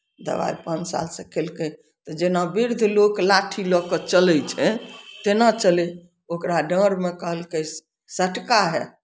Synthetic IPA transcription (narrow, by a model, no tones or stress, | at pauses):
d̪ə̰ba̰jpãnt͡ʃsa̰lsəkʰelke | t̪ɔd͡ʒenabiɾd̪ʱloklaʈʰilɔkət͡ʃəlɛt͡ʃʰɛt̪enat͡ʃəle | okɾaɖə̃ɾmekəɦəlkəs | səʈkaɦɛ